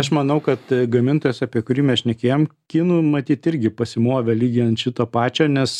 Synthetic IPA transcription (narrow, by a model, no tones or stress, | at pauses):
ɐʃmɐnɐʊkɐt̪ɡɐmʲɪnt̪oːjɛːsɑːpʲiɛkʊɾʲiːmʲɛʃʲnʲɛkʲeːjoːmkʲinuːmɐt̪ʲiːt̪ɪɾʲɡʲɪpɐsʲɪmoːʋʲɛlʲiːɡʲɪɛnt̪ʃʲɪt̪oːpɑːt͡ʃʲoːnʲɛs